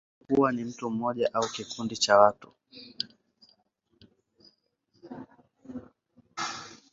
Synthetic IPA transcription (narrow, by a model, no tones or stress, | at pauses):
kuwanim̩tum̩mɔʄaʔaukikundit͡ʃawatṵ